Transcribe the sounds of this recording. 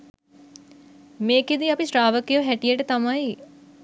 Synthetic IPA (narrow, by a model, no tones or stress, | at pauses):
meːked̪iapisʈɾaːʋəkejoɦæʈijəʈət̪amaj